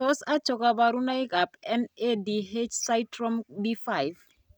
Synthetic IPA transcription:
ɔ˦sa˦t͡ʃɔ˨ka˨ba˨ɾu˦na˦ɪ˦ka˨pɛ˦ne˦di˨ɦe˦t͡ʃsa˦jtɾɔ˦mdi˦fa˦ɪv

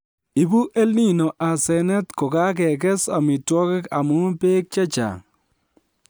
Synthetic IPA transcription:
i˨bu˦ʔe˦lni˦no˨ʔa˨sɛ˨nɛ˦tko˨ka˦k̬ɛ˨k̬ɛ˦sa̰˨mɪ˨twɔ˦kɪ˦ka˨mʊ˦pe˦k̚t͡ʃa˦t͡ʃa̰˨

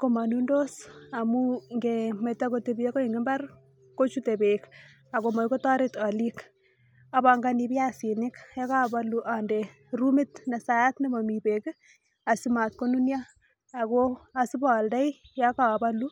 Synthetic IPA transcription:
ko˦ma˨nu˦ndo˦sa˨mu˦ŋɡeme˨tːa˦ko˦te˨bi˦je˦ko˦iŋɡe˦mba˦r | ko˦t͡ʃu˦te˨be˨k | a˨ko˨ma˨jko˦tɔ˦ɾeta˨li˦k | a˨ba˨ŋɡa˦ni˨pi˦a˦si˨nɪ˦kja˦ka˦˨ba˦luʔa˨nde˨ | ru˦mi˦tnɛ˨sa˨a˦tne˦mɔ˨mi˨pek | a˨sima˨t̚ko˦nu˦njaː˦˨ | koa˨si˦bɔ˨lda˦j | jaka˨ba˦lu˦

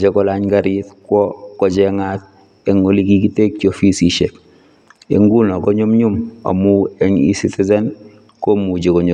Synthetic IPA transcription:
d͡ʒɛ˦kɔ˦laɲka˨ɾitkwɔ˦kɔ˨d͡ʒɛŋa˦t̚ | ɛ˨ŋo˦li˦ki˦ki˦te˦k̚t͡ʃofi˦si˦ʃe˨k | ḛ˨ŋɡu˦nɔ˨kɔ˦ɲo˦mɲu˦ma̰˨mu˦ɛ˦ɲḭ˦si˦tɛ˦zɛ˦n | kɔ˦mu˨d͡ʒe˨kɔ˨ɲo˨

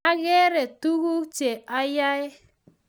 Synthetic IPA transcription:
a˦ɣɛ˦ɾɛ˨tu˦ɣu˦t͡ʃe˨a˦ja˦ɪ˦

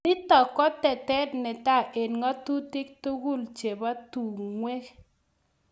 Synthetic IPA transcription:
nɪ˦tɔ˨kːɔ˦tɛ˨tɛ˦tnɛ˨ta˦˨ʔe˨nŋɔ˦tu˦ti˦k̚tu˦ɡu˦˨lt͡ʃe˨ba˦tu˨ŋwe˦k

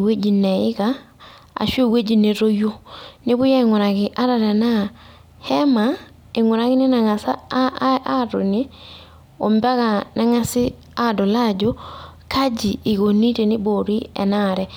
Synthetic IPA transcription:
we˦d͡ʒi˨nɛ˨ɪ˦ka˨ | a̰˨ʃo˦˨we˦d͡ʒi˦˨ne˨ɾo˦jo˦nɪ˦bʊ˦ja˦ɪ˨ŋɔ˨ɾa˨kɪ˨ʔa˦ɾa˨ɾɛ˨na˦˨ | hɛ˦ma˨ | ɪ˨ŋɔ˨ɾa˦kɪ˦nɪ˦na˨ŋa˨sa˦a˦˨ɾo˨ne˦ | o˨mba˦ka˨na˦ŋa˦sɪ˦ | a˦do˨la˦d͡ʒo˦ka˦d͡ʒiː˨ɡo˨ni˦te˨nɪ˦bo˨ɾi˦ɛ̰˨na˦˨ɾɛ˨

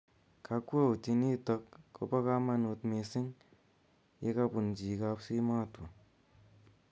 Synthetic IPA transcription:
ka˧kʷe˦˨u˨ti˧ni˦tɔ˧kːo̰˧˦pa˦ka˦ma˧nu˧tme˧si˦ŋ | je˦ka˦pu˨nd͡ʒi˨ka˧˦psi˦ma˦˨tu˨

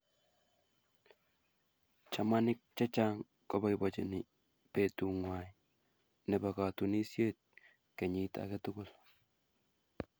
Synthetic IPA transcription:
t͡ʃa˨ma˦nɪ˦k̚t͡ʃa˦t͡ʃa˦ŋ | kɔ˦ba˨ɪ˨bɔ˨t͡ʃe˨nɪ˨ | pe˨˦tu˨ŋwa˨ji | nɛ˨ba˨ka˨tu˨ni˦sje˦t̪̚ | kɛ˨ɲɪ˦ta̰˨kɛ˦tʊ˦kʊ˨l

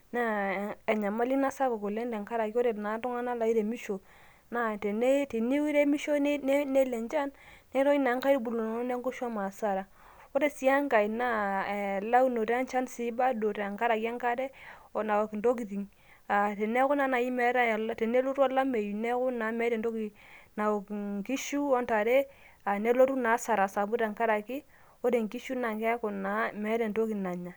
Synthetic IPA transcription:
na˦˨e˨ɲa˨ma˦li˦na˦sa˦ka˨ko˨le˦nde˨ŋka˦ɾa˨ki˦ɔ˦ɾe˨na˨˦tu˦ŋa˦na˦la˨i˦ɾe˨mi˦ʃo˨ | na˦te˨ne˦te˨ni˦wi˦ɾe˦mi˦ʃo˦n˦n˦ne˦le˨nt͡ʃa˦nne˦ɾo˦ji˦na˨˦ŋka˦i˦ɾbu˨lo˨n˨˦ne˦ŋɡo˦ʃa˦ma˨sa˦˨ɾa˨ | o˦ɾe˦˨si˨˦a˦ŋka˨i˨na˦˨la˦wno˨ɾe˦a˦nt͡ʃa˦nsi˦ba˦do˨ɾa˨ŋka˦ɾa˨ki˦a˦ŋka˦dɛ˦˨na˨o˨kndo˦k̬i˨ði˨ŋ | a˨tɛ˨ne˦ku˦na˨˦na˨ji˦mɛ˨˦ɾa˦˨lte˨ne˦lo˦ɾu˦a˦la˦me˨ju˨nɛ˦ku˦na˨˦mɛ˨˦ɾɛ˨ndo˦ki˨na˨o˨kŋki˦ʃu˦ɔ˦nta˨ɾe˦ | a˨ne˦lo˦tu˦naː˨˦sa˨ɾa˨sa˨bu˦ɾa˨ŋka˦ɾa˨ki˦ | o˦ɾe˨ŋki˦ʃu˦na˨ŋkɛ˦ku˨na˨˦mɛ˨˦dɛ˨nto˦ki˨na˨ɲa˨

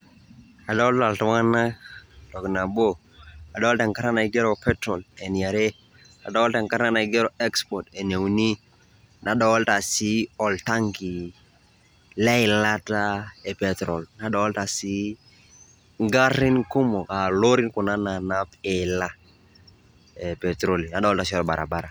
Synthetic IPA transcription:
a˨dɔ˦lta˨ltɔ˨ŋa˦na˦d̥ɔ˨kna˨bo˦ | a˨dɔ˦lta˨ŋka˦ɾa˦na˨i˨˦ɡɛ˦ɾo˨pɛ˦tɾɔ˨lɛ˨n˨a˨ɾe˦ | a˨dɔ˦ɔ˦lta˨ŋka˦ɾna˦na˨i˨˦ɡɛ˦ɾo˦˨ɛ˦kspɔ˨tɛ˨n˨e˨wni˦ | nʔa˨dɔ˨˦lta˨si˦ɔ˨lta˦ŋɡi˨ | lɛ˦ɪ˨la˦ta˦ɛ˨pɛ˨tɾɔ˨lna˨˦dɔ˨˦ɔ˦lta˨si˦ | ŋɡa˦ɾɪ˦nkʊ˦mɔ˨ka˨lo˦ɾɪ˦nkʊ˨na˦na˨na˦pɪ˨la˦ | ɛ˨pɛ˨tɾo˦li˨na˨dɔ˦ɔ˦lta˨si˦ɔ˦ɾɔ˨ba˨ɾʔa̰˨ba˦ɾa˨

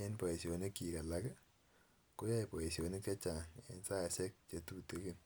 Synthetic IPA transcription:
e˦npo˨e˨si˨o˨ni˦kːi˨ka˨la˦kɛ˦ | ko˦ja˦i˨po˨e˨si˨o˨ni˦k̚t͡ʃa˦t͡ʃa˨ŋḛ˨nsa˦a˨sɛ˦k̚t͡ʃe˨tu˦˨te˨˦ki˦n

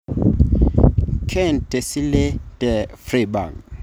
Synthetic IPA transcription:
kʰɛ˦˨nte˨si˦le˦tɛ˨fri˨ba̰˨ŋ

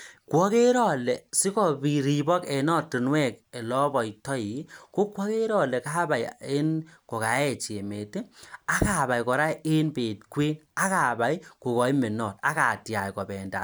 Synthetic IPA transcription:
kwɔ˦ke˦ɾɔ˨lɛ˨sɪ˦kɔ˨bi˨ɾi˨bɔ˦kɛ˨nɔ˦tu˨nwɛ˦˨ke˨lɔ˦bɔ˨tɔ˦ji˨˦ko˦kwɔ˦ke˦ɾɔ˨lɛ˨ka˦ba˨je˦nkɔ˨ka˨˦ɛ˦˨t͡ʃe˨me˨te˦a˦ka˨ba˨jkɔ˨ɾa˦e˦nbe˨t̚kwe˦na˦ka˨ba˨i˦ko˨kɔ˨i˦me˨nɔ˨t̚a˦ka˨tja˨jkɔ˨bɛ˨nda̰˨

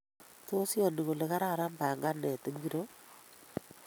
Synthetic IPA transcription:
to˦sjɔ˨ni˨ɣo˨le˨ka˦ɾa˦˨ɾa˦mba˨ŋɡa˦nɛ˨te˦ŋɡi˦ɾo˦

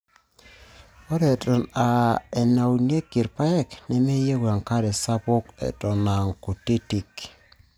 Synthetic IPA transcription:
ɔ˦ɾe˨tɔ˨na˨ɛ˨na˨wu˨ne˦ki˨ɾpa˦ɛ˦˨knɛ˨me˦je˦ɡwa˨ŋka˦ɾɛ˨sa˦bʊ˦kɛ̰˨tɔ˨na˨ŋko˨te˦ti˨k

